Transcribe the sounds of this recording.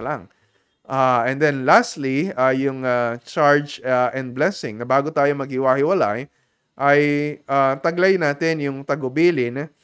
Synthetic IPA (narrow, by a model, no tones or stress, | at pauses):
laŋ | ʔaʔɛnd̪ɛnlast̪liajʊŋat͡ʃaɹd͡ʒaʔɛ̃nd̪̚blɛsɪ̃ŋnɐbaːɡot̪aːjomɐɡ̚hɪwahɪwɐla̰j | ʔɐjʔat̪ɐɡlɐjnaːt̪ɪnjʊŋt̪ɐɡʊbiːlɪn